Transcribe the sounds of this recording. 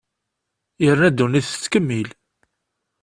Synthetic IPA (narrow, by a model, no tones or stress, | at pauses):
jəɾnæd̪uniθt͡sːkəmːil